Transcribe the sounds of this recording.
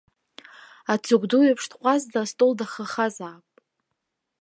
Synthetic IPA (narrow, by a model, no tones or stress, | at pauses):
at͡sʰɨɡʷdujapʰʂtʰʼqʷʼazdastʼoldaχəχazaːpʼ